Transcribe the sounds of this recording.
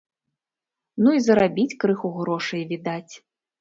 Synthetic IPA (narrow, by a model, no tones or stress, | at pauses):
nuizɐɾabʲit͡sʲkɾɨxuɣɾɔʂɐjvʲid̪at͡sʲ